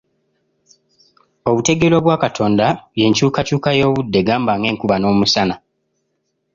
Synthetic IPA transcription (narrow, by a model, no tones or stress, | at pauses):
o̞βute̞ɡelo̞βwaːkatʰo̞ːndaβje̞ːɲcuːkacuːkajoːβudːe̞ɡaːmbaŋɡe̞ːŋkuβano̞ːmusana